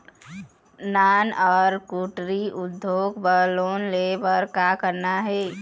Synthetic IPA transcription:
naːnɔːɾkuːʈɾiʔʊd̪ʱːoːɡbəloːnlebəɾkaːkəɾnaɦɛː

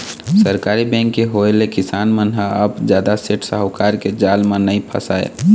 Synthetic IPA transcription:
səɾkaɾibɛ̃ŋkːeɦoelekɪsaːnmənɦaəbd͡ʒjaːd̪aseʈsəɦəwkaːɾked͡ʒaːlmãnəĩpʰə̰saːḛ

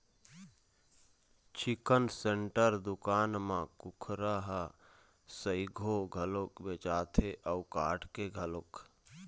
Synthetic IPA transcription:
t͡ʃʰikənseɳʈəɾd̪ʊkaːnmãkʊkʰɾaɦə | səiɡʱoɡʱəlokbet͡ʃaːt̪ʰeʔəuka̰ːʈʰkeɡʱəlok

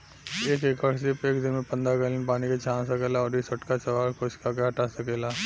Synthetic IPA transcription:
eːkekəɽsɪpeːkd̪ɪnmẽpɐ̃nd̪aɡəlɪnpaːniket͡ʃʰãːnsɐkeːlaɔːɾisɐʈkat͡ʃɐʋaːɾkoɪskak̬eɦɐʈasɐkeːlaː

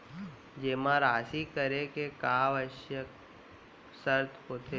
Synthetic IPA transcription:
d͡ʒeːmãɾaːsikəɾekekaːʋəʃjək | səɾt̪ʰpoːt̪ʰe

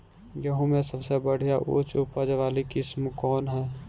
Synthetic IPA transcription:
jəɦũmẽsəbsebəɽ̤ijaʔo̰t͡ʃupəd͡ʒʋaːlikɪsmkɔːnɦɛː

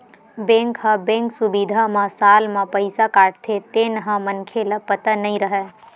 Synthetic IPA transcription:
bẽŋkɦəbẽŋksubid̪ʱamãsaːlmãpəɪsakaːʈt̪ʰet̪eːnɦə̃mənkʰeləpət̪ənəĩɾəɦɛ

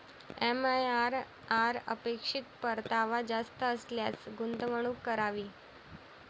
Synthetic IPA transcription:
ɛmajaɾ | aɾə̰pekʂit̪̚pəɾt̪aʋad͡zast̪əːsljasɡunt̪əʋəɳ̃uːkːəɾaʋiː

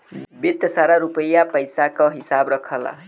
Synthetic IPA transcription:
bit̪ːʌsaɾaɾupʌjapʌjsakoɦisabrʌkʰʌlʌ̰

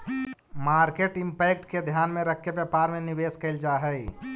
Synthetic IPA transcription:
maɾkeʈimpɛk̚ʈked̪ʱjanmeɾəkʰːebjəpaɾmenibeskəɪld͡ʒaɦəj

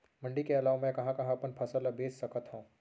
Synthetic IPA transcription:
mɐ̃ɳɖikeɐlaːʋemɛ̃kɐɦãkɐɦãɐpənpʰɐsəlabeːssɐkət̪ɦõː

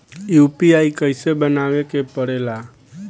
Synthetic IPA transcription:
jupiaikəɪsebənaʋekepəɽela

